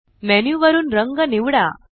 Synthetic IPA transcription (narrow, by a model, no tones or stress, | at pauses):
mɛnjuʋəɾuːnɾəŋɡəniʋɽa